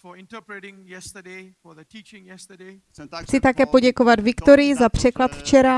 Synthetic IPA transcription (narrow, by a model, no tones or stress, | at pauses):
fɔɪ̃ntɔpɾətɪ̃ŋjɛstəde | ɔðətiːt͡ʃɪ̃ŋjɛstəde | xt͡sɪt̪akɛːpo̞ɟɛko̞vad̪vɪkt̪o̞ɾɪjɪzapr̝̥ɛklat̪ft͡ʃɛɾa